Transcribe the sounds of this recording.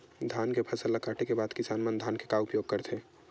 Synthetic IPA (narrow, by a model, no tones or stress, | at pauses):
d̪ʱaːnkepʰɐsəlːakaːʈekebaːd̪kɪsaːnmənd̪ʱaːnkekaʊpjoːɡ̚kəɾt̪ʰe